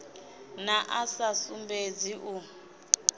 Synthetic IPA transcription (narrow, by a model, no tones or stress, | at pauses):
naʔasasumbed͡ziʔu